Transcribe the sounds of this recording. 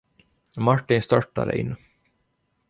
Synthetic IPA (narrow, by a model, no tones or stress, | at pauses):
maʈːɪnst̪œʈːa̰ɾə̰ʔɪ̰nː